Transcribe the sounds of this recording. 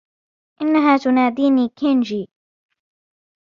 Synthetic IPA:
ʔɪnːaɦaːt̪ʊnaːd̪iːniːkʰɪnd͡ʒiː

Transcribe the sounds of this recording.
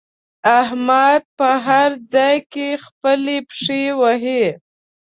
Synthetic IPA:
ahmad̪̚pəɦaɾd͡zɑjkexpəlepʂewəɦe

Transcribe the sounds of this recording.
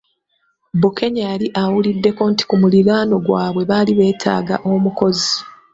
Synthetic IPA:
buke̞ɲajaliʔawulidːe̞ko̞nti̥kumuliɡaːno̞ɡwaːβwe̞βaliβe̞ːtʰa̰ːɡaʔo̞muko̞zi

